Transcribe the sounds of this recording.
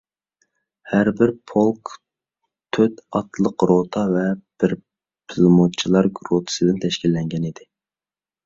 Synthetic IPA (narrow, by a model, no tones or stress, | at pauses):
hæɾbɪɾpʰolˠk | t̪ʰøt̪ɑt̪lˠəqɾot̪ʰɑvɛb̥ɪɾ | pʰɨlˠmut͡ʃʰilˠɑɾɡɾot̪ʰɨ̥sɨd̪ɪnt̪ʰɛʃkʲilːɛŋɡʲɛnid̪ɪ